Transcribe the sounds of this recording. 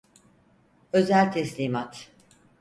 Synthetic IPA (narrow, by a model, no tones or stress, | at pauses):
ø̞zælʲt̪ʰɛslʲiːmat̪